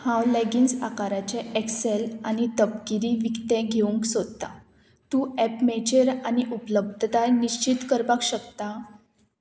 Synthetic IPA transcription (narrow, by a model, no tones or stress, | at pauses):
hãwleɡiːnsa̰kaɾat͡ɕeekselanit̪əp̚kiɾiːʋikt̪eɡʱeuŋksod̪̚t̪a | t̪uːɛpmet͡ɕəɾaniʔupləb̚d̪ʱt̪aniɕt͡ɕit̪kəɾpakɕəkt̪a